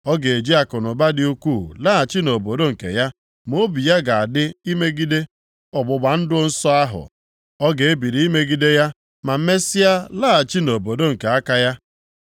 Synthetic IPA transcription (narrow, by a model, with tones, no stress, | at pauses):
ɔ˦ɡe˨e˨d͡ʒi˦a˨kʊ˨nʊ˨ba˦dɪ˦u˦ku˦˨la˦˨a˨t͡ʃi˦no˨bo˨do˦ŋ̩˨kḛ˨ja˦ | mo˦bi˨ja˦ɡa˨a˨dɪ˦i˦me˦ɡi˦de˦ | ɔ˨ɡ͡bʊ˨ɡ͡ba˨n̩˦dʊ˦n̩˦sɔ˦a˦ɦʊ̰˨ | ɔ˦ɡe˨e˦bi˨ɾi˨˦i˦me˦ɡi˦de˦ja˦ | ma˨m̩˦me˦sɪ˦ja˦laː˦a˨t͡ʃi˦no˨bo˨do˦ŋ̩˨ke˨a˦ka˦ja˦